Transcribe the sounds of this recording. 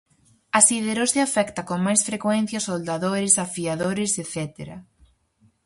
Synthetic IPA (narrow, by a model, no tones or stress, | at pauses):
asiðeɾoseafɛkt̪ɐkoŋmajsfɾekwɛn̟θjɐsold̪aðoɾɪsafiaðoɾɪseθɛt̪eɾɐ̰